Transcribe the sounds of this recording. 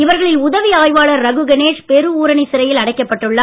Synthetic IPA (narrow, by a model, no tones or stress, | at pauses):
ɪʋɐɾɣɐɭɪlnʊðɐʋiaːjʋaːɭɐɾːɐɣɯɡɐneːʂpɛɾɯuːɾɐɳɪsɪɾɐjɪlɐɽɐɪkːɐpːɐʈːɯɭːaː